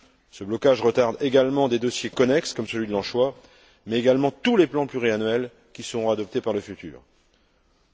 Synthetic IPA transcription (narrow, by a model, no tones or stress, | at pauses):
səblɔkaʒʁət̪aʁd̪eɡalmɑ̃d̪ed̪ɔsjekɔnɛkskɔmsəlɥid̪əlɑ̃ʃwa | mɛeɡalmɑ̃t̪uleplɑ̃plyʁianɥɛl | kʲisəʁɔ̃ad̪ɔp̚t̪epaʁləfyt̪y̰ːʁ